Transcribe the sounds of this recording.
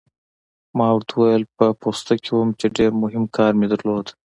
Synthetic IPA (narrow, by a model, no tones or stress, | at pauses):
mɑːwɾt̪ʰuwajəlpəpoːst̪akʰewumt͡ʃeɖeɾmʊɦɪmkʰɑːɾmed̪ɐɾloːd̪